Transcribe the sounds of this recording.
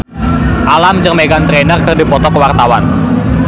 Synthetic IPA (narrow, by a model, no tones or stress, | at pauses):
ʔalamt͡ʃəŋmeɡant̪ɾenərkɨrdi̤pɔt̪ɔkəwart̪awan